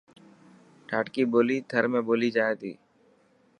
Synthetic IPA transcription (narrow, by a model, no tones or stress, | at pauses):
ʈʰaːʈkiboːlit̪ʰəɾmẽboːlid͡ʒaːet̪ḭː